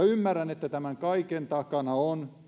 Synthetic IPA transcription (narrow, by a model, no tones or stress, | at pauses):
ymːærːænet̪ːæt̪æmæŋkɑikent̪ɑkɑnɑon